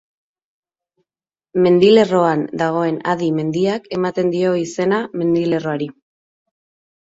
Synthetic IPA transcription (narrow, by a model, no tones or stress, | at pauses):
me̞nd̪ile̞ro̞and̪aɣ̞o̞e̞naðime̞nd̪iake̞mat̪e̞nd̪io̞ise̞name̞nd̪ile̞ro̞aɾi